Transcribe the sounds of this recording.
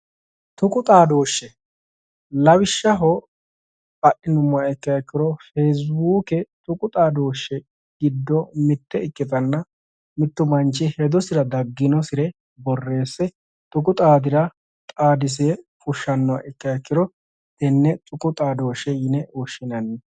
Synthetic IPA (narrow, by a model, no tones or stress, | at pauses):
t̪ʊkʼʊt̪ʼaːd̪oːʃːɛ | lɐwɪʃːɐɦɔ | ɐʔɪnʊmːɐɛkːɐjɐkːɪɾɔfeːs̬buːkɛt̪ʼʊkʼʊt̪ʼaːd̪o̞ːʃːɛ | ɡɪd̪ːɔmɪt̪ːɛɪkːɪt̪ɐnːɐ | mɪt̪ːʊmɐnt͡ʃɪhɛd̪ɔsɪɾɐd̪ɐɡːɪnɔsɪɾɛ | bɔrːe̞ːsːɛ | t̪ʼʊkʼʊt̪ʼaːd̪ɪɾɐ | t̪ʼaːd̪ɪs̬efʊʃːɐnːɐ̰ʔɪkːɐɐkːɪɾɔ | t̪ɛnːɛt̪ʼʊkʼʊt̪ʼaːd̪o̞ːʃɛjɪnɛɔʃɪnɐnːɛ